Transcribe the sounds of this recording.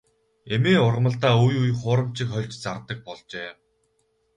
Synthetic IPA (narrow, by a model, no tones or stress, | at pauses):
emeːʊrʁmə̆ɬt̪aːujujχʊːɾə̆m̥t͡ɕɪ̆kχœɮʲt͡ɕt͡sart̪ə̆k̚pɔɮt͡ɕeː